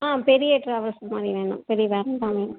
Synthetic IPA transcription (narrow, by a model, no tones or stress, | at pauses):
aːpɛɾɪjɐʈɾɐːʋɐɾsɐmaːd̪ɾiʋeːɳɖʊ̰̃mpɛɾɪjɐʋeːɾɐmd̪ãːʋeːɖʊm